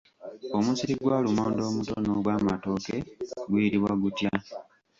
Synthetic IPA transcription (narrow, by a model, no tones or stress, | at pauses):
o̞musiɾiɡwaːlumoːndo̞ːmutonoɡwaːmato̞ːke̞ɡwuiɾiβwaɡutja